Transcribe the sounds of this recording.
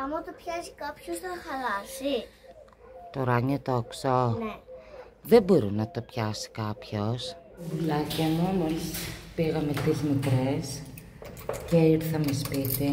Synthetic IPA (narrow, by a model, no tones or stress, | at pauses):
ɐmut̪opçɐsikɐpçosɐxɐlɐsi | t̪oɾɐɲot̪oksone | ðeboɾinɐt̪opçɐsi̥kɐpços | vulɐcɐnomospiɣɐmet̪izmikɾes | ceiɾθɐmespit̪e